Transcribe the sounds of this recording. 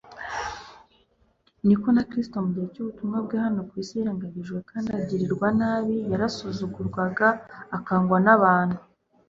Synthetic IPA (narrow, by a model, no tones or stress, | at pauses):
niko̞nakɾisi̥to̞muɟihecuβutumŋabɡehano̞kwisiɾaŋɡaɡiʒɡwe̞kaːndiaɟiɾiɾɡwanaːβijaɾasuzuɡuɾɡwaɡaːkaːŋɡwanaβaːn̥hu